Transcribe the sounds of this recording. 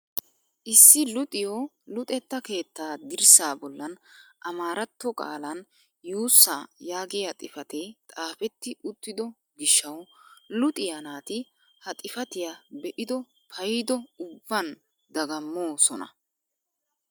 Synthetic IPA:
ʔɪsːɪlʊt̪ʼɪjo | lʊt̪ʼɛt̪ːɐke̞ːt̪ʰːaːd̪ɪɾsaːbɔlːɐnʔɐmaːɾɐt̪ːɔkʼa̰ːlɐn | juːsːaːjaːɡɪjɐt̪ʼɪfɐt̪ɛt̪ʼaːfɛt̪ːɪʔʊt̪ːɪd̪ɔ | ɡɪʃːɐwlʊt̪ʼɪjanaːt̪ɪ | hɐt̪ʼɪfɐt̪ɪjabɛʔɪd̪ɔ | pʰɐjɪd̪ɔʊbːɐn | d̪ɐɡɐmːo̞ːsɔnɐ̰

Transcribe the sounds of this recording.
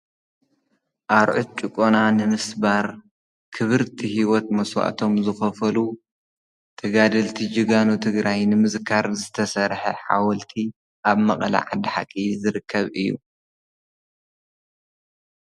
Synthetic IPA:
ʔaɾʕut̪̚t͡ʃʼɨkʼonanɨmɨsbaɾ | kʰɨβɨɾt̪ʰihiwɔt̪̚mɐswa̰ʔt̪ʰo̞mzɨxɐfɐlu | t̪ʰɐɡad̪ɐlt̪ʰid͡ʒɨɡanut̪ʰɨɡɾajnɨmɨzkʰaɾzɨt̪ʰɐsɐɾħɐħa̰wɐlt̪ʰi | ʔaβmɐqʼɐla̰ʕa̰d̪iħa̰kʼːizɨɾɨkʰːɐβɨjːṵ

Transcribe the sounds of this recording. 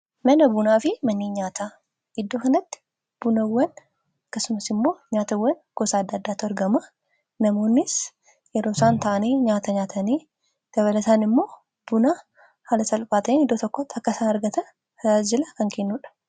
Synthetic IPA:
mɐnɐbʊnaːfɪmɐnːiːɲaːt̪aː | ɪd̪ːoːkɐnɐt̪ːɪ̥ | b̥ʊnɐwːɐn | ɐɐkːɐsʊmɐsɪmːo̞ːɲaːt̪ɐwːɐnɡ̥osaːɐd̪ːaːd̪ːaːt̪ːʊɐɾɡɐmɐ | nɐmo̞ːnːɪs | jɛɾoːsaːnt̪ɐʔɐneɲaːt̪ɐɲaːt̪ʰɐneː | d̪̥ɐβɐlɐt̪aːnɪmːo̞ː | b̥ʊnaː | haːlɐsɐlpaːt̪ɐenɪd̪ːoːt̪ɔkːɔt̪ːɐkːɐsaːnɐɾɡɐt̪ɐ | d͡ʒɪlɐkɐŋkʰenːuːᶑɐ̥

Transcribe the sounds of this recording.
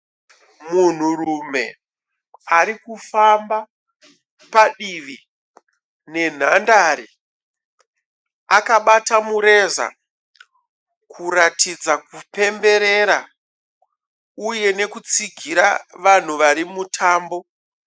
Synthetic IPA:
mun̤urume̞ | aɾikufamba | paɗiʋi | ne̞n̤andaɾi | akaɓatamuɾe̞za̰ | kʰuɾatid͡zak̚upe̞mbe̞ɾe̞ɾa | uje̞ne̞kut͡siɡʱiɾaʋan̤uʋaɾimutʰaːmbo̞

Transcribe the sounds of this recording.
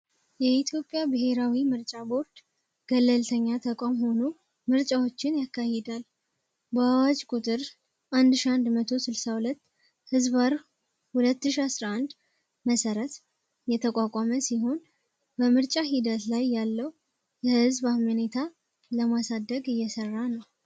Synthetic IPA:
jɛit̪ʰjo̞pʼjabɨhe̞ɾawimɨɾt͡ʃʼabo̞ɾd̪̥ | ɡ̥əlːəlt̪ʰəɲːat̪ʰəkʼamho̞nu | mɨɾt͡ʃʼawo̞t͡ʃːɪnjakːahɛd̪al | bəawat͡ʃʼkʼut̪ʼɨɾ | ʔand̪ɨʃiand̪mət̪ʰo̞sɨlsahulət̪ː | hɨzbaɾ | hulət̪ːɨʃiasɾaand̪ | məsəɾət̪ | jɛt̪ʰəkʼakʼaməsiɦo̞n | bəmɨɾt͡ʃʼaɦid̪ət̪lajːalːəw | jɛhɨzbahmənet̪ʰa | ləmasad̪əɡɨjːɛsərːanəw

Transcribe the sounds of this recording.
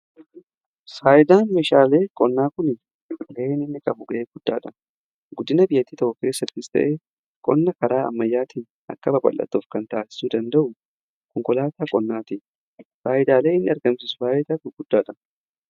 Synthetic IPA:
saːʔɪd̪aːnmeːʃaːle̞ːkʼɔnːaːkʊnɪ | ɡɐʔeːnɪnːɪkʼɐbʊɡɐʔeːɡ̥ʊd̪̥ːaːᶑɐ | ɡʊd̪ːɪnɐbɪjːɐt̪ːiːt̪ɐʔʊke̞ːsːɐt̪ːɪst̪ɐ̰ʔeː | kʼɔnːɐkɐɾaːɐ̰mːɐjːaːt̪iːn | ʔɐ̰kːɐbɐbɐ̰lːɐ̰t̪ːʊːfkɐnt̪aːsɪ̥suːd̪ɐnd̪ɐʔʊ | kɔŋkɔlaːt̪aːkʼɔnːaːt̪i | saːʔɪd̪aːleːɪnːɪɐɾɡɐmsɪsʊ̥baːjɛt̪aːt̪ʊɡʊd̪̥ːaːᶑɐ

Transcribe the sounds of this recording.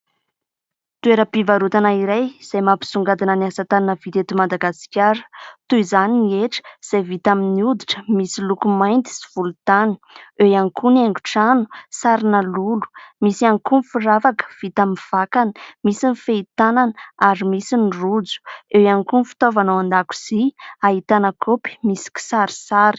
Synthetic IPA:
t̪ueɾəpivaɾut̪anaiɾajz̥ajmapi̥suŋɡad̪inaniasat̪annəv̥it̪et̪imad̪aɡasi̥kʲaɾə̥t̪uizaniieʈ͡ʂə̥z̥ajvit̪aminiud̪iʈ͡ʂə̥misilukumajnt̪i̥si̥v̥ulut̪ani̥ewaŋikuneŋɡu̥ʈ͡ʂanu̥saɾinalulu̥misaŋkumfuravakə̥v̥it̪aminv̥akani̥misinifeit̪ananaɾimisinirud͡zu̥ewaŋkunfi̥t̪ovanawand̪aku̥z̥iaɦit̪anəkʰopi̥misi̥ki̥saɾi̥saɾi̥

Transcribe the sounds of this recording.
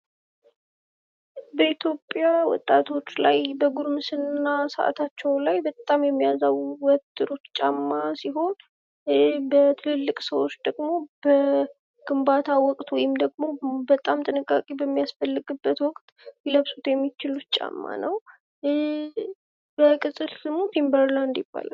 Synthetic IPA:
bəit̪ʰjo̞pʼːjawɔ̰t̪ʼːat̪ʰo̞t͡ʃːlajbəɡuɾmɨsɨnːasəʔa̰t̪ʰat͡ʃːɛwlajbət̪ʼamjɛmːijazawuwɔt̪ʼːɨɾot̪t͡ʃʼamːasiɦo̞n | bət̪ʰɨlɨlːɨkʼsəwot͡ʃːd̪əɡmo̞b̥ə | ɡ̥ɨmbat̪ʰawɔkʼt̪wɔjɪmd̪əɡmo̞bət̪ʼamt̪ʼɨnɨkʼːakʼibəmːijasfəlːɨɡɨbːət̪wɔkʼt̪ʼ | jləβsut̪jɛmːit͡ʃɪlut̪t͡ʃʼa̰mːa̰nəw | b̥əkʼɨt̪ʼɨlsɨmut̪ʰimbəɾland̪jɪb̥ːa̰la̰l

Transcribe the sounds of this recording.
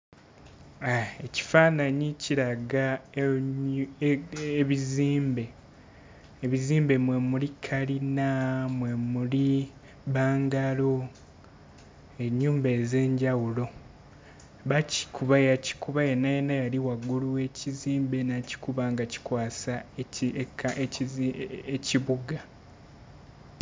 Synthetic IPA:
ae̞ci̥faːnaɲiciɾaɡa | eβiziːmbe̞ | βiziːmbe̞mwe̞mulikʰaɾinamwe̞muli | βaːŋɡalo̞ | e̞ɲːuːmbe̞ːze̞ːɲɟawulo̞ | βaci̥kʰuβajaci̥kuβaje̞nːaje̞nːajaliwaɡːuluwe̞cʰiziːmbe̞naci̥kuβaŋɡaci̥kwaːsaekae | eciβuɡa

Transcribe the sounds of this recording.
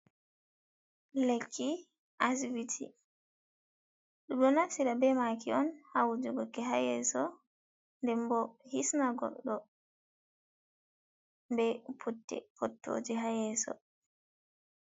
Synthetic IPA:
lekʰːi | ʔas̬vitʰḭ | ɗuɗɔnasiɾabɛmakiɔnhawud͡ʒuɡɔkɛɦajɛ̰sɔ | ndɛmbɔhisnaɡɔ̰ɗːɔ | bɛpʰutːɛ̰fɔtʰːo̰ːd͡ʒiɦajɛsɔ̰

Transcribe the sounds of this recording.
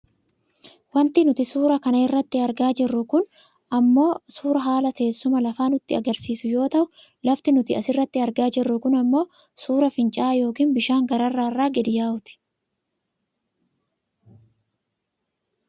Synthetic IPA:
wɐnt̪ɪnʊt̪ɪsuːɾɐkɐnɐɪrːɐt̪ːɪɐɾɡaːd͡ʒɪrːʊkʊn | ʔɐmːo̞ːsuːɾɐɦaːlɐt̪e̞ːsːʊmɐlɐfaːnʊt̪ːɪɐ̰ɡɐɾsiːsʊjo̞ːt̪ɐʔʊ | lɐft̪ɪnʊt̪ɪɐsɪrːɐt̪ːɪɐɾɡaːd͡ʒɪrːʊkʊnɐmːo̞ː | suːɾɐfɪnt͡ʃʼaːjo̞ːkiːnbɪʃaːŋɡɐɾɐrːaːɪrːaːɡɛd̪ɪjaːʊt̪ɪ̥

